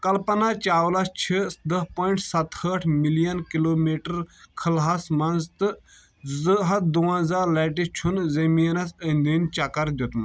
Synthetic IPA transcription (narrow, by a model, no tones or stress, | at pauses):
kɐlpɐnat͡ʃaːwlɐst͡ʃʰid̪ɐpoːiɳʈsɐt̪həʈʰmilijɐnkiloːmiːʈəɾkʰɐlɦɐsmɐnzt̪ɨ | zɨɦɐt̪̚d̪uːãːzaːɾlɛːʈit͡ʃʰunzɐminɐsənd̪iːnt͡ʃɐkɐɾd̪ʲut̪m